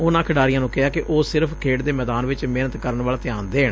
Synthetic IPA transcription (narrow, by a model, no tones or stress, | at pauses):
ʊnãːkʰəɖaːɾijãːnũːkɛɦaːkɪʔoːsɪɾəpʰkʰeːɽd̪eːmɛːd̪aːnʋɪt͡ʃmeːnət̪kəɾənʋaːlt̪ɪjaːnd̪eːɦəɽ